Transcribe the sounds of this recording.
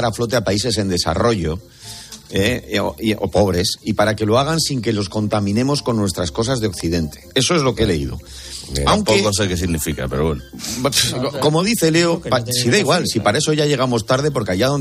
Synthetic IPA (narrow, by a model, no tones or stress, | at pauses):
aɾaflo̞t̪̬e̞apais̬e̞s̬e̞nd̪e̞sa̰ro̞ʝo̞ | eo̰o̰po̞β̞ɾe̞sipaɾake̞loaɣ̞ansiŋke̞lo̞sko̞nt̪amĩne̞mo̞sko̞nːwe̞st̪ɾasko̞s̬azðeo̞kθiðe̞nt̪e̞̥e̞so̞e̞zlo̞keele̞iðo̞̰ | awŋkpoekos̬ekes̬iɣnifika̰peɾoβweno | ko̞mo̞ðiθe̞le̞opasiðeiɣwalsipaɾaeso̞ʝaʝe̞ɣ̞amo̞st̪aɾð̞e̞p̬oɾkeajaðon